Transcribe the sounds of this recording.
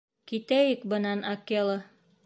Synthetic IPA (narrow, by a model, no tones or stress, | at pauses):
kit̪æjɘkbɤ̆nɑnɑkelˠɤ